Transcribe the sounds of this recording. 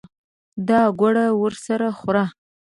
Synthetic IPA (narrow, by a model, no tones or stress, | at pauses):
d̪ɑɡwaɽawəɾsaɾaxɾɑ